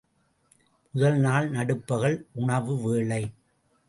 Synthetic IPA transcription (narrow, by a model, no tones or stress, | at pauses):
mʊðɐlnaːɭnɐɽɯpːɐɣɐɭʔʊɳɐʋɯʋeːɭɐɪ